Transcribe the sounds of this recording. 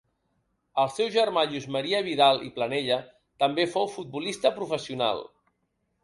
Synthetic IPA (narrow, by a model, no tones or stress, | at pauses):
əlˠsɛwʒəɾmaʎuzməɾiəβiðalˠḭplənɛʎə | t̪əmbefowfut̪̚bulist̪əpɾufəsiuna̰lˠ